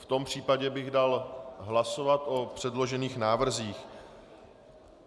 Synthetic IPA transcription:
ft̪o̞mpr̝̥iːpaɟɛbɪɣdalɦlaso̞vat̪ʔo̞pr̥ɛdlo̞ʒɛniːxnaːvr̩ziːx

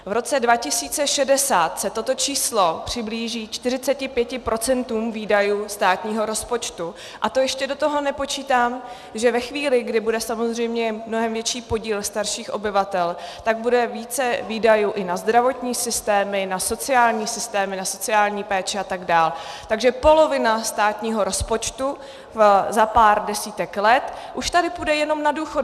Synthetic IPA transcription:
vɾo̞t͡sɛdvacɪsiːt͡sɛʃɛdɛsaːt̪sɛt̪o̞t̪o̞t͡ʃiːslo̞pr̝̥ɪbliːʒiːt͡ʃt̪ɪrɪt͡sɛcɪpjɛcɪpɾʔo̞t͡sɛnt̪uːmviːdajuːst̪aːt̪ɲiːɦo̞ɾo̞spo̞t͡ʃt̪u | ʔat̪o̞jɛʃcɛdo̞t̪o̞ɦo̞nɛpo̞t͡ʃiːt̪aːm | ʒɛvɛxviːlɪɡdɪbudɛsamo̞zr̝ɛjmɲɛmno̞ɦɛmvjɛt͡ʃiːpo̞ɟiːlst̪aɾʃiːxʔo̞̰bɪvat̪ɛlt̪aɡ̚budɛviːt͡sɛviːdajuːʔɪnazd̪ɾavo̞t̪ɲiːsɪst̪ɛːmɪnaso̞t͡sɪaːlɲiːsɪst̪ɛːmɪnaso̞t͡sɪaːlɲiːpɛːt͡ʃɛat̪aɡdaːlt̪aɡʒɛpo̞lo̞vɪnast̪aːt̪ɲiːɦo̞ɾo̞spo̞t͡ʃt̪u | zapaːɾdɛsiːt̪ɛklɛt̪ʔuʃt̪adɪpudɛjɛno̞mnaduːxo

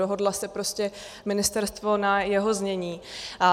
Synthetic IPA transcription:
oɦo̞dlasɛpɾo̞scɛ | mɪnɪst̪ɛɾst̪vo̞najɛɦo̞zɲɛɲiːʔa

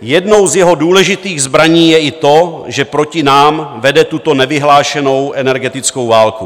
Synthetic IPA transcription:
jɛdno̞wzjɛɦo̞duːlɛʒɪt̪iːɣzbɾaɲiːjɛʔɪt̪o̞ʒɛpɾo̞cɪnaːmvɛdɛt̪ut̪o̞nɛvɪɦlaːʃɛno̞wʔɛnɛɾɡɛt̪ɪt͡sko̞wvaːlku

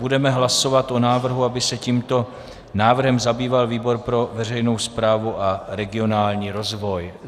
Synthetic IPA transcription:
udɛmɛɦlaso̞vat̪ʔo̞naːvr̩ɦuabɪsɛciːmt̪o̞ | naːvr̩ɦɛmzabiːvalviːbo̞ɾpɾo̞vɛr̝ɛjno̞wspɾaːvuʔaɾɛɡɪo̞naːlɲiːɾo̞zvo̞j

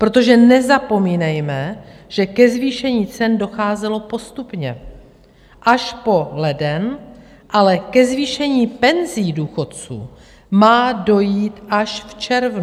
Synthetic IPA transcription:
pɾo̞t̪o̞ʒɛnɛzapo̞miːnɛjmɛʒ̥ɛkɛzviːʃɛɲiːt͡sɛndo̞xaːzɛlo̞po̞st̪upɲɛ̰ | ʔaʃpo̞lɛdɛn | ʔalɛkɛzviːʃɛɲiːpɛnziːduːxo̞t̪̚t͡sṵː | maːdo̞jiːt̪ʔaʃft͡ʃɛɾvnu

